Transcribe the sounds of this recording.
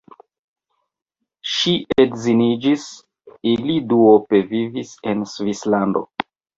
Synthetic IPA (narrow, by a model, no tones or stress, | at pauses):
ʃiʔedzinid͡ʒis | iliduope̞vivise̞nsvislando̰